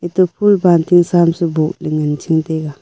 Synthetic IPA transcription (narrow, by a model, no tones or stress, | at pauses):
it̪opʰulbantiŋsamsibolɪŋənt͡ʃiŋteɡa